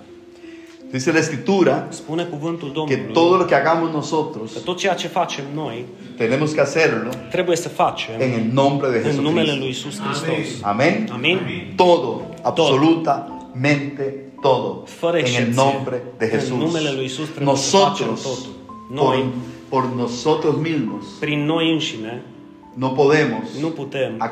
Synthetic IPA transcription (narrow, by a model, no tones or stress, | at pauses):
d̪iselaeskɾip̚t̪uɾaspunekuvɨnt̪uld̪omketluoðolokeaɡamoznosot̪ɾost̪ot̪̚t͡ʃejat͡ʃefat͡ʃemno̞j | t̪enemoskeaseɾlot̪ɾe̞buje̞səfat͡ʃemeŋelnõmbɾeðeheɨnumelelujisuskɾist̪osamẽnamint̪oðo | aβsolut̪a | mẽnt̪e | t̪oðofəɾəeŋelnõmbɾeðexesunusmelelujisusɾnosot̪ɾostot̪unopoɾnosot̪ɾosmismospɾinːo̞jɨnʃine | nopoðemosnuput̪ema